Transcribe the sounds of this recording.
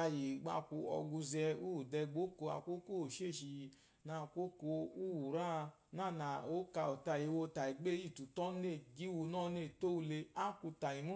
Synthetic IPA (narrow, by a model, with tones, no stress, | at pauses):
a˧ji˨ɡ͡ba̰˧ku˧ɔ̰˧ɡu˧zɛ˧u˦u˨dɛ˧ɡ͡bo˦ko˧a̰˧˨ko˦ko˦o˨ʃe˦˨ʃi˧ | nã˧˨˧ko˦ko˧u˦wu˨ɾa˦˧ | nã˦˨na˨o˨˦ka˧o˨ta˧˨ji˨wo˧ta˨i˨ɡ͡be˦i˦˨tu˨tɔ˦ne˦˨ɡi˦wu˧nɔ̃˦˨˦ne˦˨to˦u˧le˧a˦ku˧ta˨i˨mu˦